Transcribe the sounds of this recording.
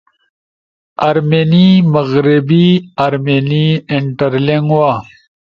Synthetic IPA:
ɐɾmenimɐɣɾibiɐɾmeniiɳʈɐɾleŋɡwa

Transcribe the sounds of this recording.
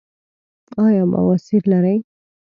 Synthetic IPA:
ɑjɑba̰wasilːaɾəj

